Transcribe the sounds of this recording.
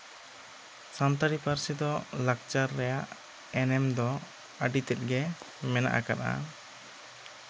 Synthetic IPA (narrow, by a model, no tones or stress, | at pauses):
sant̪aɽipaɾsɛd̪ɔlak̚t͡ʃaɾːɛjaʔ | ɛnɛmd̪ɔ | aɖit̪ɛt̪̚ɡɛ | mɛna̰ʔakana̰